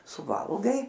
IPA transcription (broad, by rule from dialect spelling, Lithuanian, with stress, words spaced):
sʊˈʋɐlˠɡɐɪ